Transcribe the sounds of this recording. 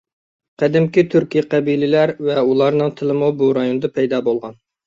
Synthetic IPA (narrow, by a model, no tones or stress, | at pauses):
qɛd̪ɪmkʲit̪ʰyɾkʲijqʰɛbilɪlæɾvɛulˠɑɾnɨŋt̪ʰɨlˠɪmubuɾɑjonɨd̪ɑpʰɛjd̪ɑːbolˠʁɑn